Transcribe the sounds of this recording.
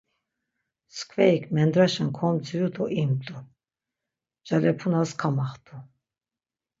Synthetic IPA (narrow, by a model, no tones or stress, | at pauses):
skʰvɛikʰmɛnd̪ɾaʃankʰɔmt͡sʰijut̪ʰʼɔʔimt̪ʼu | d͡ʒalɛpʰunaskʰamaχt̪ʰʼu